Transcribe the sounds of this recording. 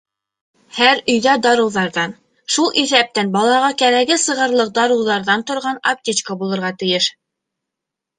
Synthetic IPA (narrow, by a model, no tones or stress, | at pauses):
hæɾɵ̆jðæd̪ɑɾɤ̆wðɑɾðɑn | ʃulˠiθæp̚t̪ænbɑlˠɑʁɑkæɾæɡɘsɤ̆ʁɤ̆ɾlˠɤq̚d̪ɑɾɤ̆wðɑɾðɑnt̪ŏɾʁɑnɐp̚tʲit͡ɕkəbulˠɤ̆ɾʁɑt̪ɘ̆jɘʃ